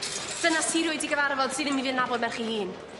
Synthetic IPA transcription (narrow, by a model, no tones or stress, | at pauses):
d̥ənastʰiɾʊɨdiɡəvaɾvɔlˠd̥sɨðəmiviːənabɔdmɛrχiːhiːn